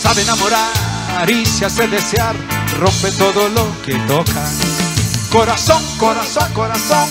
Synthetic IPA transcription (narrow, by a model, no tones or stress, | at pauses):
saβenamoɾa | aɾisjaseðeseaɾ | rõmpet̪oðoloket̪okʰa | koɾasoŋkoɾasoŋkoɾasoŋ